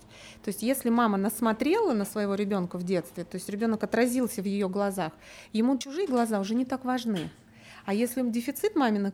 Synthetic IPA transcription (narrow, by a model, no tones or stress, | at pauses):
t̪o̞ɪsʲtʲjesʲlʲɪmamənəsmɐt̪ɾʲe̞lˠənəsvəjɪvo̞ɾʲɪbʲo̞nkəvdʲe̞t̪st̪vʲɪt̪o̞ɪsʲtʲɾʲɪbʲo̞nəkɐt̪ɾɐzʲilˠsʲəvjɪjo̞ɡlˠɐzax | jɪmut͡ɕʊʐɨjəɡlˠɐzaʊʐɛnʲɪt̪akvɐʐnɨ | ajesʲlʲɪondʲɪfʲɪt̪sɨt̪mamʲɪnə